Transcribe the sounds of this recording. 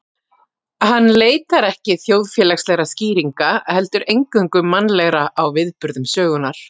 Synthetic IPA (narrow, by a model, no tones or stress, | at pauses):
hanːleːjt̪aɾɛhcɪθjoːwðfjɛːlakslɛɣɾasciːɾiŋkahɛlt̪ʏɾejŋkʏŋkʏmanːlɛɣɾaʔawvɪðpʏɾðʏmsœːɣʏnaɾ̥